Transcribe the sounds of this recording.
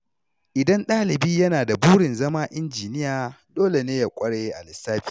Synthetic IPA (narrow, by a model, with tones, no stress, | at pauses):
ʔɪ˨dɐ˦nɗaː˦lɪ˨biː˦jɐ˦naː˨da˨buː˦ɽɪ˨nzɐ˦maː˦ʔɪ˦nd͡ʒiː˨nɪ˦jaː˨doː˦le˨neː˦ja˨kʷʼɐ˦ɽeː˦ʔa̰˨lɪ˨sːaː˦biː˨˦˨